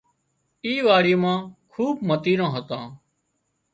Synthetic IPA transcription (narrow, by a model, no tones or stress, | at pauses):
iːʋaːɽiːmãːkʰuːb̚mət̪iːɾãːɦət̪ãː